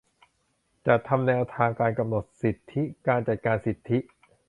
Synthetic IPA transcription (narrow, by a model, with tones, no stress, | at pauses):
t͡ɕa˨˩ʔt̪ʰa˧mnɛː˧wt̪ʰaː˧ŋkaː˧nka˧mno˨˩t̪̚si˨˩t̪ʰːi˦˥kaː˧nt͡ɕa˨˩t̪̚kaː˧nsi˨˩t̪ʰːi˦˥ʔ